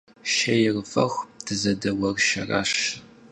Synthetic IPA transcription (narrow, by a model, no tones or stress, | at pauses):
ʃɐjɪrfɐxʷtʰɨzɐdɐwɐrʃɐ̰ra̰ːɕ